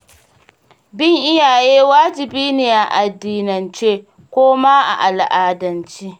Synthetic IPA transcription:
bɪ˦˨ŋʔɪ˦jaː˨jeː˦waː˦d͡ʒɪ˨biː˦niː˨ʔa˨ʔa˨dːiː˨nɐ˨nt͡ʃeː˦ | kʷoː˦maː˦ʔa̰˨ʔa˨lʔaː˨dɐ˨nt͡ʃiː˦

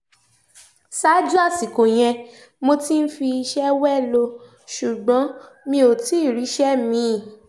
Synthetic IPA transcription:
sa˦d͡ʒu˦a˦˨si˨ko˨j̃ɛ̃˧ | mo˧ti˦n̩˦fi˧i˧ʃɛ˦wɛ˦˨lo˧ | ʃu˨ɡ͡bɔ̃˨˦ | mĩ˧o˨ti˨˦˨ɾi˨˦ʃɛ˦mĩ˧˨

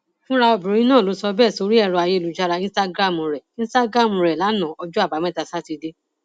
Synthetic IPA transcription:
fũ˦ɾa˧ɔ˧bĩ˨ɾõ˨˦ĩ˦nãː˦˨lo˨˦sɔ˧bɛ˦˨so˧˦ɾi˦ɛ˦˧ɾɔ˧a˧je˧˦˧lu˨d͡ʒa˧ɾa˧ĩ˦sta˦ɡɾa˦˨mɔ̃˨˧ɾɛ˨ĩ˦sta˦ɡɾa˦˨mũ˨˧ɾɛ˨la˨˦nã˨ɔ˧d͡ʒu˦a˦˨ba˨˦mɛ̃˦˨ta˧sa˦ti˧de˦

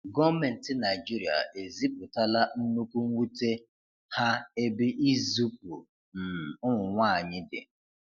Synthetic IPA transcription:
ɡɔ˦me˨n̩˨tɪ˦na˨ɪ˨d͡ʒi˦ɾi˨a̰˨ʔe˨zi˦pʊ˨ta˦la˦n̩˦nu˦kʷu˦ŋ̩˦wʷu˦te˦ | ha˦e˦bɪ˦ʔi˦zu˦pṵ˨ | m̩˨ʊ˦ŋʷʊ˨ŋʷa˦˨a˨ɲɪ˦dɪ̰˨

